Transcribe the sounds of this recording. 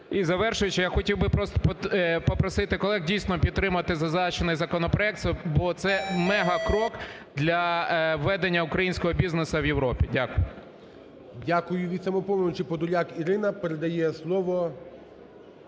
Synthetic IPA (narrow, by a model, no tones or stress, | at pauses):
izɐʋɛrʃʊjet͡ʃɪjaxɔtʲiwbɪpɾɔst̪ɔ̥ppɔpɾɔsɪt̪ɪkɔlˠɛɦdʲijsnɔpʲid̪̚t̪ːɾɪmʊɐt̪ɪzɐzɑt͡ʃenɪjzɐkɔnɔpɾɔɛk̚t̪sbɔt̪sɛmɛɦɐkɾɔk | d̪lʲɐʋːɛd̪enʲːɐʊkɾɐjinʲsʲkɔɦɔbʲiznesɐwjewɾɔpʲidʲakʊjʊ | dʲakʊjʊʋʲit̪sɐmɔpɔmnʊt͡ʃɪpɔd̪ʊlʲakiɾɪnɐpeɾed̪ɐjɛslˠɔʋɔ